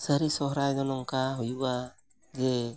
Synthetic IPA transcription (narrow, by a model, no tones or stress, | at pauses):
səɾisɔɦɾajd̪ɔnɔŋkaɦujuʔa | d͡ʒɛ